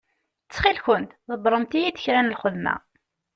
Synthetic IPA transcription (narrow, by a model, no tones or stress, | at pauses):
t͡sːχilçʊnt̪ðəbɾˤəmt̪ijiθə̥çɾænəlχʊðmæ̰